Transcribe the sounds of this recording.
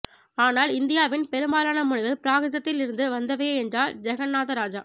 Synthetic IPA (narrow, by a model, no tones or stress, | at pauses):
aːnaːlɪnd̪ɪjaːʋɪnpɛɾɯmbaːlaːnɐmʊɻɪɣɐlpɪɾaːɣɯðɐt̪ːɪlɪɾɯnd̪ɯʋɐnd̪ɐʋeːɛndraːld͡ʒɛɣɐnːaːðɐɾaːd͡ʒaː